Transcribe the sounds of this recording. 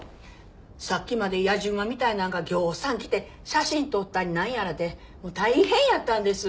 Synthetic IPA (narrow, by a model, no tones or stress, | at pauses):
sakʲːimad̪e̞jaʑɯ̃ɰ̃amʲit̪ainãŋɡaɡʲo̞ːsãŋkʲi̥t̪e̞ | ɕaɕĩnt̪o̞t̪ːaɾʲinãɰ̃jaɾad̪e | mo̞ːt̪aihẽ̞ɰ̃jat̪ːãnd̪e̞sɨ